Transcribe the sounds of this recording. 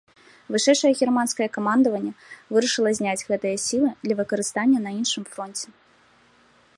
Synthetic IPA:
vɨʂɛjʂɐjɛɣʲɛrmanskɐjɛkamand̪ɐvɐnʲːɛvɨɾɐʂɨlˠɐzʲnʲad͡zʲɣɛt̪ɨjɐsʲilˠɨd̪lʲɐvɨkɐɾɨst̪anʲːɐnɐinʂɨmfɾɔnʲt͡sʲɛ

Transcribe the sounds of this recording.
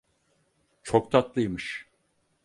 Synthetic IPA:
t͡ʃʰok̚t̪ʰat̪lˠɯjmɯʃ

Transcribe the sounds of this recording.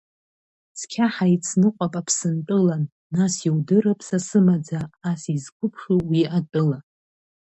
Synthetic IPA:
t͡sʰkʲʰaħait͡sʰnɨqʷʼapʼapʰsɨntʼɨlanː | asiwdɨɾapʰʼsasɨmad͡zaːsizkʷʊpʰʂuwiatʼɨla

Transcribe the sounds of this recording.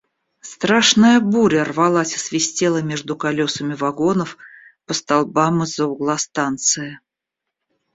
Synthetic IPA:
st̪ɾaʂnəjəbuɾʲərvɐlˠasʲə̥svʲɪsʲtʲelˠəmʲeʐd̪ʊkɐlʲosəmʲɪvɐɡo̞nəfpəst̪alˠbamɨzəʊɡlˠast̪ant̪sɨjə

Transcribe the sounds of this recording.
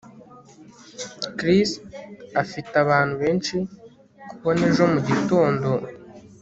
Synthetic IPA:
kɾisafitaβaːn̥huβe̞ːnt͡ʃi | kuβo̞ne̞ʒo̞muɟito̞ːndo̞

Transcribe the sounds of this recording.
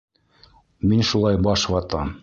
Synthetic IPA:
minʃulˠɑjbɑʃwɑt̪ɑm

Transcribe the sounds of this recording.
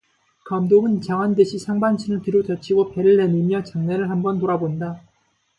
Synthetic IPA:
kamdoɡɯnt͡ɕaŋɦandɯɕʰisʰaŋbant͡ɕʰinɯɭtɯɾjot͡ɕʌt͡ɕʰiɡopeɾɯɭːenimjʌt͡ɕaŋneɾɯɭhambʌntoɾaboinda

